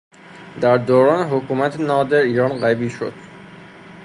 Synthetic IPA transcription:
d̪æɾd̪oːɾɒːneɦokʰuːmæt̪ʰenɒːd̪eɾiːɾɒːnɢæbiːʃo̰d̪̥

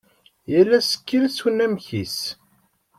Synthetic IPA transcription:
jælːæsə̥kːəlswənæmçis

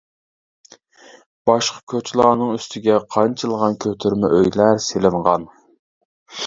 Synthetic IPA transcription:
b̥ɑʃqʰɑ̥kʲʰøt͡ʃʰlˠɑːnɨŋyst̪ʰɪɡʲɛqʰɑnt͡ʃʰɨlˠʁɑnkʲʰøt̪ʰyɾmɛʔøjlæɾselɪɴʁɑn

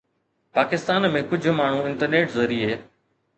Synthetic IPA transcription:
paːkɪst̪aːnmẽkʊd͡ʑʱmaːɳ̤ũɪ̃nʈəɾneːʈzoːɾiːɦeː

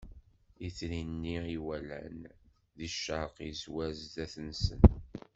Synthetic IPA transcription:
it͡sːɾinːiiwælæ̰n | ðiʃəɾqizwæzðæθənsən

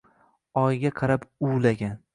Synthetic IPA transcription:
ɒjɡʲaqʰɑɾapuwlaɡʲan

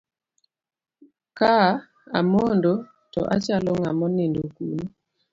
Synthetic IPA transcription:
ka | a̰mondo | tɔ̰ʔa̰t͡ʃalɔŋa̰mɔnindokṵn

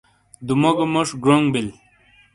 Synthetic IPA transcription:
d̪umoɡomoʂɡɾoŋɡbil

